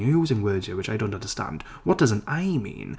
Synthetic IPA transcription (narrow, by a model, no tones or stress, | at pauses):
ʉzɪ̃nwɜːd͡ʒəwɨt͡ʃaɪɾõʊ̃ntʌ̃ndə˞stã̰nd̥ | wɒʌt̚d̥ʌz̃n̩taɪmḭ̃ːn